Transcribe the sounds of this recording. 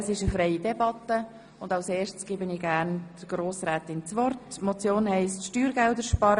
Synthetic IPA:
əsɪʃəfɾɛɪidɛbɑtə | ʊndɑʊseːʃtsɡ̥ɪbəniɡ̥æːɾnd̥əɡ̥ɾoːsɾɛːt̪ɪnt͡sʋɔrtmɔt͡sjoːnhɛɪstʃtyːɾɡɛldəɾʃpɑɾə

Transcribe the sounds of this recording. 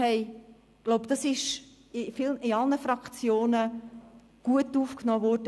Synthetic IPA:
ɛɪ | ɡ̥loʊpd̥ɑsɪʃ | ɪfɪlɪɑlnəfɾɑkt͡sjoːnə | ɡ̥uətːuːfknɔːʋɔɾd̥ə

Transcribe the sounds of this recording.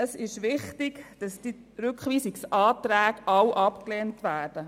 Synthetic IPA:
əsɪʃʋɪχtɪkd̥ɑsd̥i | ɾʉkχʋiːsɪksʔɑːtɾæːɡʔɑwʔɑpkleːntʋæːrd̥ə

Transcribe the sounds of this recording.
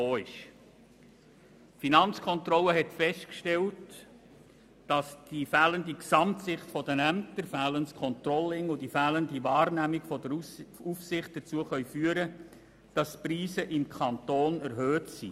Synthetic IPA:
oːɪʃ | finɑnt͡skʰɔntrɔləɦɛtfɛʃtkʃtɛlt | d̥ɑsd̥ifæːləndiksɑmtsɪχtfɔdənæmtəɾfæːlənskʰɔntrɔlːɪŋʊdifæːləndivɑːrnæmiɡfɔdəufsɪχt̚d̥ət͡suəχœʏfyːəɾə | d̥ɑspɾiːsəʔɪmkʰɑntoːnæɾɦøːtsḭ

